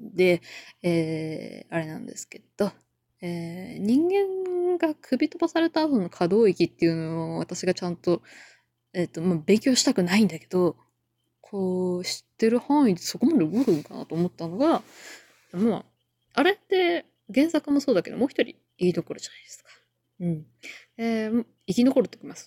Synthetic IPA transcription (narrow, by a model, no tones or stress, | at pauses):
d̪e̞eːaɾe̞nãnd̪e̞̰sɨ̥ke̞d̪̥o̞ | eːɲ̟ĩŋɡẽ̞ŋɡakʰɯ̟bʲit̪obasaɾe̞t̪aːt̪o̞no̞kʰad̪o̞ːikʲit̪ːe̞iɯ̟nooβat̪aɕiɡat͡ɕãnt̪o̞ | et̪ːo̞mabẽ̞ŋkʲo̞ːɕi̥t̪akɯ̟naĩnd̪ake̞d̪o̞ | kʰo̞ːɕi̥t̪ːe̞ɾɯ̟hãɰ̃it̪ːeso̞ko̞mad̪eɯɡoɾɯ̟̃ŋkana̰t̪o̞ːmot̪ːano̞ɡa | ma | aɾe̞t̪ːe̞ | ɡẽ̞ɰ̃sakɯmo̞so̞ːd̪ake̞d̪omo̞ːçi̥t̪o̞ɾʲḭːkʲino̞ko̞ɾɯ̟d͡ʑanaid̪esɨ̥kḁ | ɯ̟̃ɴ | em | ikʲino̞ko̞ɾɯ̟t̪okʲimasɨ̥